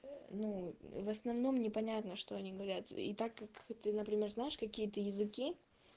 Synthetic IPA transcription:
nuvəsnɐvno̞mnʲɪpɐnʲat̪nəʂt̪o̞ɐnʲiɡəvɐɾʲat̪ḭt̪akːakt̪ɨnəpɾʲɪmʲe̞rznajɪʂkɐkʲijət̪əjɪzɨkʲi

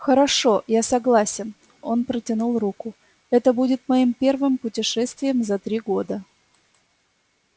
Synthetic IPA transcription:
xəɾɐʂo̞jasɐɡlˠasʲɪn | o̞npɾətʲɪnulˠrukʊ | ɛt̪əbudʲɪt̪̚mɐimpʲe̞rvɨmpʊtʲɪʂɛst̪vʲɪjəmzɐt̪ɾʲiɡo̞d̪ə

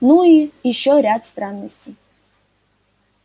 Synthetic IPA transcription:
nuijɪɕːɔɾʲat̪st̪ɾanːəsʲtʲɪj

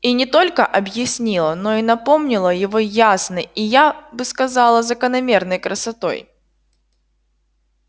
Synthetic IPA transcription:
inʲɪt̪o̞lʲkəʔɐbjɪsʲnʲilˠəno̞inɐpo̞mnʲɪlˠəjɪvojasnəijabɨskɐzɑlˠəzəkənɐmʲe̞rnəjkɾəsɐt̪o̞̰j

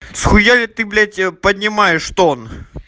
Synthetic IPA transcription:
sxʊjalʲɪt̪ɨblʲætʲpɐdʲnʲɪmajɪʂt̪on

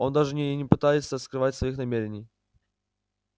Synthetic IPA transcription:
ɔnd̪aʐɲɛjɲɛpɨt̪ajɛsʲɛskɾɨvat͡ɕʲsfɔjixnamʲɛɾʲɲʲi

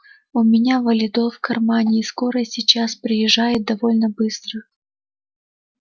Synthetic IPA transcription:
ʊmʲɪnʲavəlʲɪd̪ofkɐrmanʲɪːsko̞ɾəsʲɪt͡ɕaspɾʲɪjɪʐːajɪt̪̚d̪ɐvo̞lʲnəbɨst̪ɾə

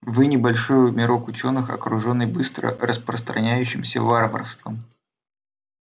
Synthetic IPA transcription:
vɨnʲɪbɐlʲʂojʊmʲɪɾo̞kʊt͡ɕo̞nːɨxɐ̰kɾʊʐo̞nːɨjbɨst̪ɾə̰ɾəspɾəst̪ɾɐnʲæjʉɕːɪmsʲəvarvə̰rfst̪vəm

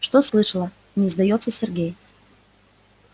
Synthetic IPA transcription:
ʂt̪oslˠɨʂəlˠə | nʲɪzd̪ɐjot̪sːəsʲɪrɡʲej

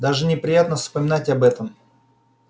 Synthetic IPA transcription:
d̪aʐɨnʲɪpɾʲɪjat̪nəfspəmʲɪnatʲɐbɛt̪əm

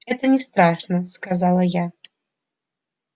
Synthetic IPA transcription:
ɣɛt̪ɐnʲɛst̪ɾaʂnɐskazalˠɐja

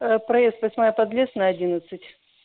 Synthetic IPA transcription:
əpɾɐjest̪vɐsʲmajəpɐd̪lʲesnɐɐdʲinət̪sɨtʲ

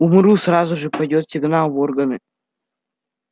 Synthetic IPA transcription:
umɾusrazuʐɨpɐjdʲot̪sʲɪɡnalˠvorɡɐnɨ

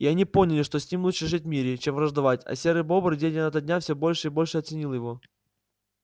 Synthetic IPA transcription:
iɐnʲipo̞nʲɪlʲɪʂt̪osʲnʲimlˠutʂəʐɨt̚ʲmʲiɾʲɪt͡ɕemvɾəʐd̪ɐvatʲɐ̰sʲeɾɨjbo̞bɾdʲenʲɪnɐt̪ədʲnʲafsʲobo̞lʲʂɨibo̞lʲʂɨɐt̪sɨnʲilˠjɪvo̞

